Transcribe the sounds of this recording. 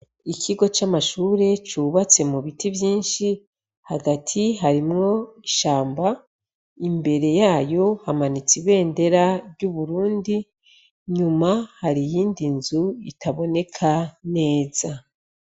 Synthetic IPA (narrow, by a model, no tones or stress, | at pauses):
ikʰiɡo̞t͡ʃamaʃuːɾe̞t͡ʃuβat͡se̞muβitivjiːnʃi | haɡatʰiɦaɾimŋo̞iʃaːmba | imbe̞ɾe̞jaːjo̞hamanit͡siβe̞ːnde̞ɾaɾɟuβuɾuːndi | ɲumahaɾijiːndinzuitʰaβo̞ne̞kʰane̞ːz̥a